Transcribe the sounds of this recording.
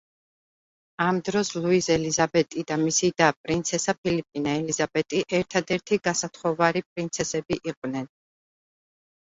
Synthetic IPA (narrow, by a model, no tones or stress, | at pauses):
amd̪ɾɔslˠuizɛlizabɛt̪ʼid̪amisid̪apʼɾint̪sʰɛsapʰilipʼinaɛlizabɛt̪ʼiʔɛɾt̪ʰad̪ɛɾt̪ʰiɡasat̪ʰχɔvaɾipʼɾint̪sʰɛsɛbiʔiqʼvnɛn